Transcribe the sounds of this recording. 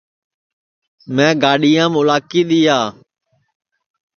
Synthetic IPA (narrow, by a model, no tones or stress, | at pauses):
mɛ̃ːɡaːɗɪjãːmʊlaːkiːɗ̪ɪjaː